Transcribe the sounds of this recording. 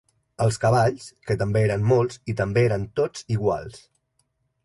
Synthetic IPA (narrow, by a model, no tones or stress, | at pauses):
əlˠskəβ̞aʎskət̪əmbeeɾənmolˠzit̪əmbeeɾənt̪od͡ziɣ̞wa̰lˠs